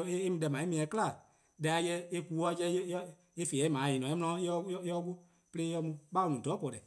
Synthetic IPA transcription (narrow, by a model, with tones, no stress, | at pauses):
eː˦mĩ˧dɛ˨mãː˨˦e˦mĩ˧˦ɛ̃˨˦kɨ˦la˨ | da˨˧˦a˧˦jɛ˧˦e˦kuː˨˦wɔ˧˦t͡ʃɛ˧˦ | e˦fe˨ɛ˨˦mãː˨˦jĩː˨nɔ̃˨e˦mɔ̃˧ã˧˦ɔ˦ɔ˧˦ku˦ | pe˧eː˦jɛ˧mũ˧˦ɓa˦o˧nũ˨dɔ˨˦pɔ˨ɾɛ˨